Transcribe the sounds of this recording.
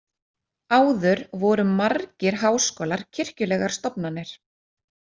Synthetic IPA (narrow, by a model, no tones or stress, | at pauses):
aːwðʏɾvɔːɾʏmːaɾcɪɾ̥ɦaːwskɔːlaɾ̥cʰɪr̥cʏlɛːɣaɾ̥st̪ɔpnanːɪɾ̥